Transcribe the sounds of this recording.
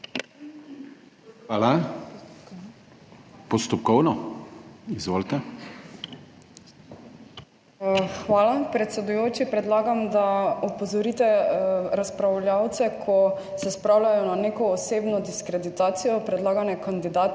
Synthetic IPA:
xʋaːla | pɔst̪ɔp̚kɔwnɔ | izʋoːlt̪ɛ | xʋaːlapɾɛt̪sɛd̪ujoːt͡ʃipɾɛd̪laːɡamd̪aɔpɔzɔɾit̪ɛɾaspɾawljawt̪sɛkʰɔ | sɛspɾawlʲajɔnanekɔːseːbnɔd̪iskɾɛd̪it̪aːt̪sijɔpɾɛd̪laːɡanɛkand̪id̪aːt̪

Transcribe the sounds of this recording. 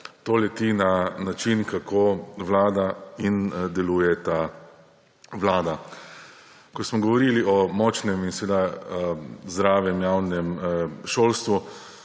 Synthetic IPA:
t̪oːlɛt̪inanat͡ʃinkakʰoːʋlaːd̪aind̪ɛluːjɛt̪a | ʋlaːd̪a | kɔsmɔɡɔʋɔɾiːliʔɔmɔt͡ʃnɛminsɛʋeːd̪a | zd̪ɾaːʋjɛmjaːwnɛmʃoːlst̪ʋu

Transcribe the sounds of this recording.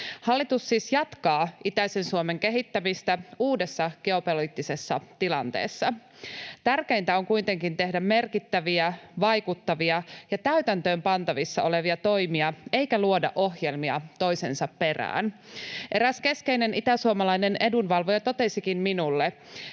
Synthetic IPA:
hɑlːit̪usːiːsjɑt̪kɑːʔit̪æise̞nsuome̞ŋke̞ɦit̪ːæmist̪æuːde̞sːɑɡ̥e̞o̞poliːt̪ːise̞sːɑ̰t̪ilɑnt̪e̞̰ːsːɑ | t̪ærke̞int̪æo̞ŋkujt̪e̞ŋkint̪e̞hdæmme̞rkit̪ːæʋiæʋɑjkut̪ːɑʋiɑjɑt̪æyt̪ænt̪øːmpɑnt̪ɑʋisːɑo̞le̞ʋiɑt̪o̞jmiɑe̞jkæluodɑ̰ʔo̞ɦjelmiɑt̪o̞jse̞nsɑppe̞ræ̰ːnʔe̞ɾæske̞ske̞ine̞nit̪æsuomɑlɑinene̞dunʋɑlʋojet̪o̞t̪e̞sikinminulːe

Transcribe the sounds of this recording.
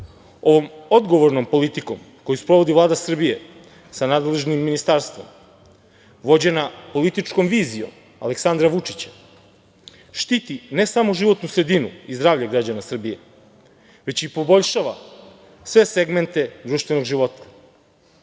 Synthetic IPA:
o̞ʋo̞mo̞d̪ɡo̞ʋoɾnompo̞lit̪iko̞m | ko̞juspɾo̞ʋo̞d̪ivlˠaːd̪asr̩bije̞ | sanaːd̪le̞ʒnimːinist̪aɾst̪ʋo̞̰m | ʋo̞d͡ʑe̞napo̞lit̪it͡ʃko̞mʋiːzijo̞̰m | a̰le̞ksand̪ɾaʋut͡ʂit͡ɕḁ | ʃt̪it̪ine̞samoʒiʋo̞t̪nusɾe̞d̪inuizd̪ɾaːʋʎaɡɾad͡ʑanasr̩bije̞ | ʋe̞t͡ɕipo̞bo̞ʎʃaːʋa | sʋe̞seɡme̞nt̪e̞d̪ɾuːʃt̪ʋe̞no̞ɡʒiʋo̞t̪ʰḁ

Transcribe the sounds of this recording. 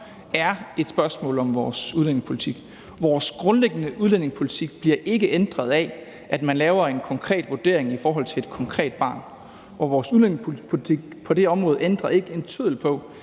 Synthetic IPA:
æɐe̝d̥sb̥ɶɐsmɔ̰̽ːlɒ̽mʋɒːsuðˠlen̰e̝ŋspʰo̝lit͡sʰiɡ̥ | ʋɒːsɡ̥ʁɔ̽nleɡ̥ənəʔuðˠlen̰e̝ŋspʰo̝lit͡sʰiɡ̥̚b̥liɐʔe̝ɡ̥əʔend̥ʁɐð̞ˠɛ | ʔæd̥mænlɛːʊɐe̝nkʰɒ̽ŋkʰʁɛ̰ːd̥ʋod̥e̝̰ɐ̰e̝ŋifɒːɦɒ̽l̰t͡sʰe̝le̝d̥̚kʰɒ̽ŋkʰʁɛ̰ːd̥̚b̥ɑ̰̈ːn | ʔɒ̽ʋɒːsuðleneŋspʰopʰo̝lit͡sʰiɡ̥pʰɒ̽d̥e̝ɒ̽mʁɔ̽ːð̞̩ˠend̥ʁɐe̝ɡ̥əe̝nt͡sʰyðˠl̩pʰɒ̽

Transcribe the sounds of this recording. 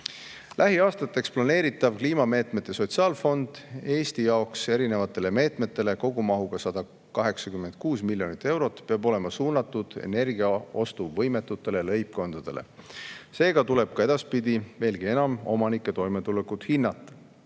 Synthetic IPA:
lʔæɦiɑːst̪ɑt̪ːˑe̞ksplɑne̞ːɾit̪ːˑɑvkliːmɑme̞ːt̪me̞t̪ˑːeso̞t̪siɑːlfo̞nd̪̥e̞ːst̪ijɑokse̞ɾine̞vɑt̪ːˑe̞le̞me̞ːt̪me̞t̪ːˑe̞le̞ko̞ɡumɑɦuɡ̥ɑsɑd̪̥ɑ | kɑɦe̞ksɑkymːe̞nd̪̥̚kuːsmilʲjo̞nit̪ːˑe̞wɾo̞t̪ːˑpeɑbo̞le̞mɑsuːnɑt̪ːˑud̪̥ḛne̞rɡ̥iɑo̞st̪uvɤ̞jme̞t̪ːˑut̪ːˑe̞lelɤjp̚ko̞nd̪̥ɑd̪̥e̞lʔe̞̰se̞ːɡɑt̪ule̞b̥̚kɑe̞d̪̥ɑspid̪ive̞ːlɡ̥ie̞nɑmo̞mɑnikːˑe̞t̪o̞jme̞t̪ulekud̪̥hinːɑt̪ːˑ

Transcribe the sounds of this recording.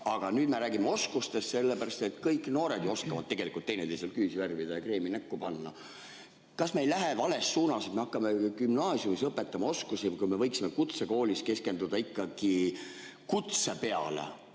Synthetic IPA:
ɑɡ̥ɑnyːd̪̥me̞ɾæːɡimːeo̞skust̪e̞st̪se̞lːepæɾɑst̪e̞t̪kɤjkːˑno̞ːɾe̞d̪̥joo̞skɑvɑd̪̚t̪ːe̞ɡe̞likˑult̪ːejnet̪ejselkyːsiværvid̪̥ɑjɑkre̞ːminækːupɑnːɑ | kɑsme̞jlæɦe̞vɑle̞sːuːnɑsid̪meɑkːɑmekymnɑːsjumisɤpːˑe̞t̪ːˑɑmɑo̞skusikujme̞vɤjksime̞kut̪se̞ko̞ːliske̞ske̞nd̪ud̪̥ɑikːɑɡ̥i | kut̪se̞pe̞ɑ̰lḛ

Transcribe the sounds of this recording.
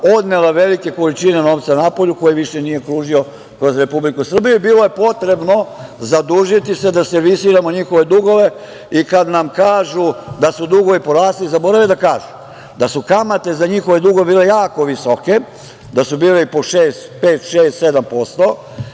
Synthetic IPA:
o̞d̪nelaʋe̞like̞ko̞lit͡ʃine̞no̞ːʋt̪sanapo̞ʎuko̞jiʋiʃe̞nije̞kɾuːʒio̞ | kɾo̞zɾe̞publikusr̩bijuibiːlˠo̞je̞po̞t̪ɾe̞bno̞zad̪uːʒit̪ise̞d̪ase̞ɾʋisiːɾamo̞ɲixo̞ʋe̞d̪uɡo̞ʋe̞ | ikad̪namkaːʒud̪asud̪uɡo̞ʋipo̞ɾaːst̪lizabo̞ɾaʋed̪akaːʒu | d̪asukamat̪e̞zaɲixoʋe̞d̪uɡoebiːle̞jaːko̞ʋisoke̞ | d̪asubiːleipoʃeːst̪pe̞ːt̪ʃeːst̪se̞d̪ampo̞st̪o̞

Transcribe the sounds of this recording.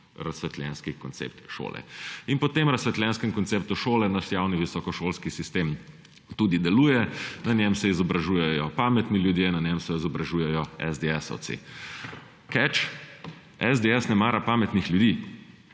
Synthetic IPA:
ɾɐsʋɛt̪lʲɛ̰nskikɔnt̪sḛp̚t̪ʃo̰ːlɛ̰inpɔt̪emɾɐsʋɛt̪lʲɛnskɛmkɔnt̪sep̚t̪uʃoːlɛnaʃjawniʋisɔkɔʃoːlskisist̪em | t̪ud̪id̪ɛluːjɛnɐnjɛmsɛizɔbɾaʒuːjɛjɔpaːmɛt̪niljud̪jenɐnʲɛmsɛizɔbɾaʒuːjɛjɔɛ̰zd̪eɛsɔ̰t̪sḛ | kɛt͡ʃ | ɛzd̪eɛsnɛmaːɾapaːmɛt̪nixljud̪iː

